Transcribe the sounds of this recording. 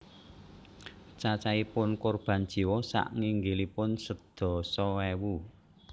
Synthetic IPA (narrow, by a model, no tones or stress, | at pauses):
t͡ʃat͡ʃaipʊnkʊrb̥a̤nd̥ʒ̥i̤wɔsa̰ʔŋiŋɡelipʊnsəd̪̥ɔ̤sɔwewu